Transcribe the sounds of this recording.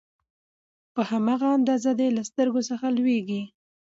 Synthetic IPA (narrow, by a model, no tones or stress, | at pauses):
pəhamɑɣaand̪ɑzad̪elast̪əɾɡosəxalweɡi